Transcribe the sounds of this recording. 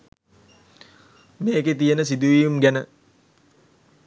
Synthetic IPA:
meːket̪ijənəsid̪uʋijumɡænə

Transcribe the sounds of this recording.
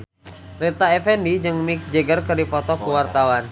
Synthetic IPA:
rɛt̪aɛfɛndid͡ʒɨŋmik̚d͡ʒeɡərkɨrdipɔt̪ɔkuwart̪awan

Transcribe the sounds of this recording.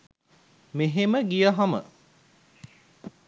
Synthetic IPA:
meɦeməɡijəɦɐmə̰

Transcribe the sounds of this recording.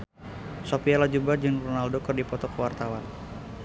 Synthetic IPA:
sopialad͡ʒubad͡ʒɨŋrɔnaldokərdipɔt̪ɔkəwart̪awan

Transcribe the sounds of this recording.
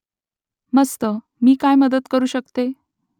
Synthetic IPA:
məst̪ə | miːkajməd̪ət̪kəɾuːɕəkt̪e

